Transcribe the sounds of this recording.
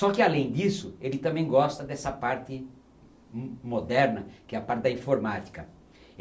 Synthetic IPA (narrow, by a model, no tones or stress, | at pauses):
sɔkɪalẽj̃d̪isʊelɪt̪ɐ̃mẽj̃ɡɔst̪ɐd̪ɛsɐpaɾt̪ɪ | mod̪ɛɾnɐkɪɛɐpaɾt̪ɪd̪ɐĩfoɾmat̪i̥kɐ